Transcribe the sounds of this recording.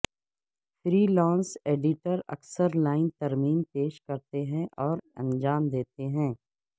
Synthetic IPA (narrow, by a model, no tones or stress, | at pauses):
fɾiːlɔ̃ːnseːɖɪʈəɾɐ̰ksəɾlaːɪnt̪ɐɾmiːnpeːʃkɐɾt̪eɦɛ̃ʔɔːɾɐ̰̃nd͡ʒaːmd̪eːt̪eɦɛ̃ː